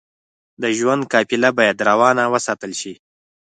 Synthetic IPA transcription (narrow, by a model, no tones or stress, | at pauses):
d̪əʒwand̪̚kɑpɪlabɑjad̪ɾawɑnawəsɑːt̪əlʃi